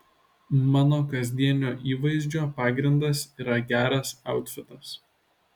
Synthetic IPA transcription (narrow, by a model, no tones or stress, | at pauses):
mɑːnoːkɐzʲd̪ʲiɛnʲoːʔiːʋɐɪzʲd͡ʒʲoːpɑːɡɾʲɪnd̪ɐsiːɾɐɡʲæːɾɐsɑˑʊt̪ʲfʲɪt̪ɐs